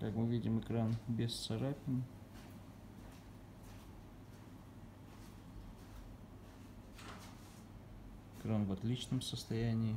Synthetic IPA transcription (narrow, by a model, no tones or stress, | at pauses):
kakmɨvʲidʲɪmɨkɾanbʲɪssɐɾapʲɪn | ɪkɾanvɐt̪lʲit͡ɕnəmsəst̪ɐjænʲɪː